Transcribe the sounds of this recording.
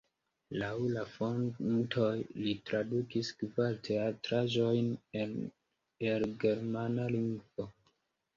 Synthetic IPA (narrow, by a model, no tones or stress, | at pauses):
lawlafo̞ntʰo̞jlitɾadukiskvaltʰe̞atɾaʒo̞jnen | elɡe̞ɾmanaliŋɡvo̞